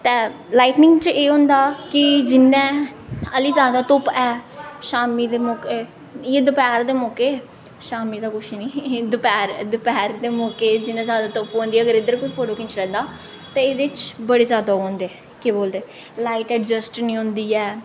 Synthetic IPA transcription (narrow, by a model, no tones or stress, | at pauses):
t̪ɛ̃ː | laːiʈnɪ̃ŋɡt͡ʃʔeːɦʊ̃nd̪aːkɪd͡ʒɪnːɛ̃ːəliːzjaːd̪aːt̪ʊpɛːʃaːmiːd̪eːmɔːke | jeːd̪əpɛːɾd̪eːmɔːkeː | ʃaːmiːd̪aːkʊʃʰnĩːd̪ʊpɛːɾd̪əpɛːɾd̪eːmɔːkeːd͡ʒɪnːɛ̃ːzjaːd̪aːt̪ʊpɦõːnd̪iːɛːəɡəɾɪd̪əɾkoiːpʰoːʈoːkɪ̃nt͡ʃlɛ̃ːnd̪aː | t̪ɛ̃ːeːd̪eːt͡ʃbəɽeːzjaːd̪aːõːnd̪eː | keːboːld̪eː | laːiʈɛːʈd͡ʒəsʈnĩːɦõnd̪iːɛː